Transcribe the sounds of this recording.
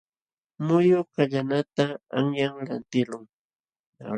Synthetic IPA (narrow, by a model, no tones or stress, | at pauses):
mʊjʊkaʎanat̪aaŋjaŋlant̪ɪlʊŋ | a̰